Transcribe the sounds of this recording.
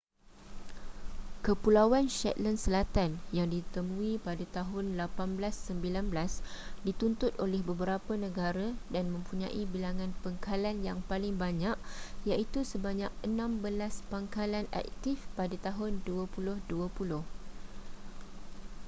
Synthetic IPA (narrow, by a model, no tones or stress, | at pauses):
kəpulawanʃɛ̰t̪̚lənsəlat̪anjaŋdit̪əmũĩpadat̪aɦʊnlapanblasːəmbilanblasdit̪unt̪ʊt̪̚olɛhbəbəɾapənə̃ɡaɾadanmə̃mpuɲã̰ʔibilaŋãnpaŋkalanjaŋpalɪŋbaɲaʔjaʔit̪usəbaɲak̚ənãmbəlaspaŋkalana̰k̚t̪ifpadat̪aɦʊnduəpulʊhduapulʊh